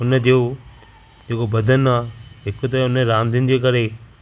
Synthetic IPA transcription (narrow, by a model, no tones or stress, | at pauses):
ʊnəd͡ʑeo | d͡ʑeːkobɐd̪ʱənaːɦɪkot̪̬ɐʊnəɾãːnd̪ɪnɪ̆d͡ʑeːkɐɾe